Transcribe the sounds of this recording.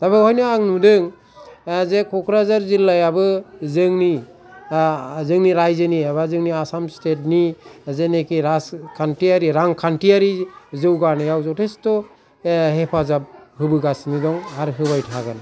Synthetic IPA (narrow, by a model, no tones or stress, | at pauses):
taβɯhɔjnɯaŋnudɯŋ | zekʰɔkʰɾazaɾzilːajabɯzɯŋni | zɯŋniɾajzɯniaβazɯŋniasamstet̚nizenekiɾaskʰantiaɾiɾaŋkʰantiaɾizɯwɡanajawzɔwtʰestɔ | ɦepʰazab̚hɯbɯɡasnidɔŋaɾɦɯβajtʰaɡɯn